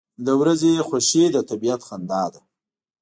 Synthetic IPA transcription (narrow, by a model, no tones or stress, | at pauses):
ləwɾazexaʃed̪ət̪abijat̪xand̪ɑd̪a